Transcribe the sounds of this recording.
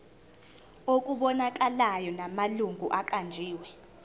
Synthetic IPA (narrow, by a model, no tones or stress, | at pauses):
ok̬ʼuɓɔnak̬ʼalajɔnamaluŋɡʱuʔak̬ʼand͡ʒʱiːwɛ